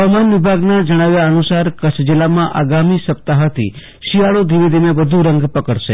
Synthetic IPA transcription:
ɦəamanʋibʱaɡnad͡ʒəɽ̃aʋjaənusaɾkət͡ʃʰd͡ʒɪlːamãʔaɡamisəpt̪aɦət̪ʰḭ | ʃiaɭod̪ʱiʋid̪ʱimẽʋəd̪ʱuɾəŋɡpəkəɽʃḛ

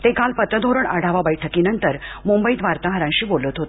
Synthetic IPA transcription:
t̪ekalpət̪əd̪ʱoɾəɳaɽ̤ʱaʋabəjʈʰəkiːnənt̪əɾmumbəid̪ʱʋaɾt̪aɦəɾãɲɕiːbolət̪ɦot̪

